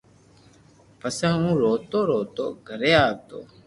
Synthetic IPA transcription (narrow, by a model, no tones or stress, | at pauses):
pəsə̃ːũːɾoːt̪oːɾoːt̪o̰ːɡʱəɾeːaːk̚t̪o̰ː